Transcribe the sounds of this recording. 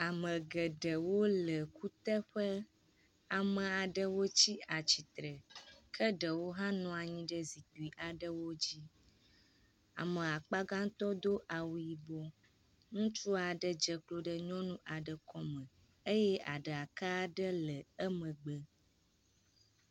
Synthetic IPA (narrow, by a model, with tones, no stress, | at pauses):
a˨mə̃˨ɡə˨ɖə˨wo˦lə˨ku˦t̪ə˦ɸə˦ | a˨mə̃˨a˨ɖə˦wo˦t͡ɕi˦a˨t͡ɕi˨t̪ɾə˨kʰə˦ɖə˨wo˦ɦã˦nɔ̃˨a˨ɲĩ˦ɖə˦zi˨t̪u˨i˨ʔa˨ɖə˦wo˦d͡ʑi˦ | a̰˨mə̃˨a˨k͡pa˦ɡã˦ŋ˦t̪ɔ˦d̪o˦ʔa˨wu˨ji˨bɔ˦ | nũ˦t͡ʃu˦a˨ɖə˨d͡ʒə˨klo˦ɖə˦ɲɔ̃˦nũ˦ʔa˨ɖə˨kɔ˦mə̃˨ | ə˦jɛ˦ʔa̰˨ɖə˨a˨ka˦ɖə˦lə˨ə˦mə̃˨ɡ͡bə˨